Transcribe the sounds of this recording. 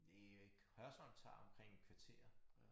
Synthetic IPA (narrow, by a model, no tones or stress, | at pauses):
d̥eɡ̥hœɐsɒ̽mt͡sʰɑ̰̈ːɒ̽mkʰʁeŋ̰kʰʋɑ̈t͡sʰe̝̰ːɐ